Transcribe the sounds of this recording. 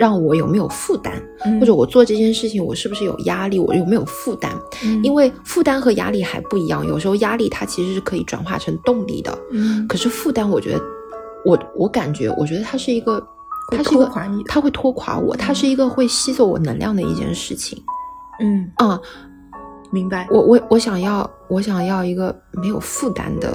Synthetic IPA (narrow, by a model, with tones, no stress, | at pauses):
ɻɑ˥˩ŋwɔ˧˥jo˨˩ʊme˧˥ɪjo̰˨˩ʊfu˥˩t̪a̰˥n | xwɔ˥˩ʈ͡ʂɤ˧˥wɔ˨˩t͡swɔ˥˧ʈ͡ʂɤ˥˧˩t͡ɕʰjɛ˥˧nʂɻ̩˥˩t͡ɕʰi˨˩ŋwɔ˨˩ʂɻ̩˥˩bu˩ʂɻ̩˥˩jo̰˨˩ja˥li˥˩wɔ̰˨˩o˨˩me˧˥ɪjo̰˨˩ʊfu˥˩t̪a̰˥ni˥nwe˥˩ɪfu˥˩t̪a˥nxɤ˧˥ja̰˥li˥˩xa˧˥ɪpu˥˩i˧˥jɑ̰˥˩ŋjo̰˨˩ʊʂɻ̩˧˥xo˥˧ʊja˥li˥˩t̪ʰa˥t͡ɕʰi˧˥ʂɻ̩˧˥ʂɻ̩˥˩kʰɤ˧˥i˨˧˩ʈ͡ʂwa̰˨˩nxwa̰˥˩ʈ͡ʂʰɤ˧˥ŋt̪ʊ˥˧ŋlḭ˥˩d̪ə̰˩kʰɤ˨˩ʂɻ̩˥˧fu˥˩t̪a˥nwɔ˨˩t͡ɕɥɛ̰˧˥d̪ə˧ | wɔ˧˩wɔ˧˥ka˨˩nt͡ɕɥɛ̰˧˥wʔɔ̰˨˩t͡ɕɥɛ˧˥d̪ə˧t̪ʰa˥ʂɻ̩˥˩i˧˥ɡə˧ | xʂɻ̩˥˧˥ə˧˥t̪ʰa˥xwe˥˩ɪt̪ʰwɔ˥kʰwa̰˧˥wɔ̰˨˩t̪ʰa˥ʂɻ̩˥˩i˧˥ɡə˧xwe˥˩ɪɕi˥t͡swɔ˥˩wɔ̰˨˩nə˧˥ŋljɑ̰˥˩ŋd̪ə˩ḭ˥˧˩t͡ɕjɛ̰˥˧nʂɻ̩˥˩t͡ɕʰḭ˨˩ŋn̩˥˩ə˥˧ | mi˧˥ŋba˧wʔɔ˧˩wʔɔ˧˥wɔ˧˥ɕjɑ˨˩ŋjɑ˥˩ʊ | wɔ˧˥ɕjɑ˨˩ŋjɑ˥˩ʊi˧˥ɡə˧ | me˧˥ɪjo˨˩ʊfu˥˩t̪a̰˥nd̪ə̰˨